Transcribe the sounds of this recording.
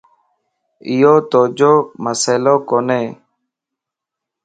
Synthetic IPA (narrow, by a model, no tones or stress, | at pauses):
ɪjoːt̪oːd͡ʒoːməseːloːkoːneː